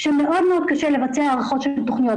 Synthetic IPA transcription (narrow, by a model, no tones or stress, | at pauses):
ʃemeʔo̞d̪meo̞d̪̚kaʃelevat͡seaːʁaχo̞t̪ʃelt̪oχnijo